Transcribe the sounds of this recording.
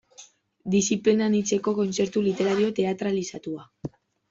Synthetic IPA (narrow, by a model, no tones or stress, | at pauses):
d̪isiplenanit͡se̞ko̞kont͡se̞ɾt̪ulit̪e̞ɾaɾio̞t̪e̞at̪ɾalisat̪ua